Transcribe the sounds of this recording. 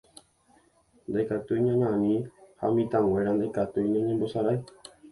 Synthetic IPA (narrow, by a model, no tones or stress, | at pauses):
nd̪ajkat̪uiɲãɲãnĩha̰mĩt̪ãŋ̃ẽɾand̪ajkat̪uiɲãɲẽmbo̞saɾaj